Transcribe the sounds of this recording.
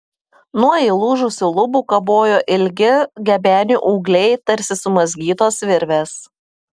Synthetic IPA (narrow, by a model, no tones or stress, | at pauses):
nuɔiːlˠuːʒʊsʲɪlˠʊbuːkɐboːjoːʔɪlʲɡʲɪɡʲɛbʲæːnʲuːʔuːɡlʲɛɪt̪ɐɾʲsʲɪsʊmɐzʲɡʲiːt̪oːsʋʲɪɾʲʋʲeːs